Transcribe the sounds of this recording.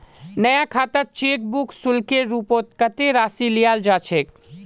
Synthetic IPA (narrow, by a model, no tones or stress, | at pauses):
nəjakʰaːt̪əɾ̚t͡ʃek̚buksulkeɾupot̪̚kət̪eɾaːsilijald͡ʒaːt͡ʃʰek